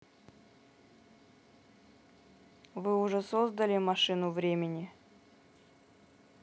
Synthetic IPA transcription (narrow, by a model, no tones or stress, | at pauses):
vɨʊʐɛsozd̪əlʲɪmɐʂɨnʊvɾʲemʲɪnʲɪ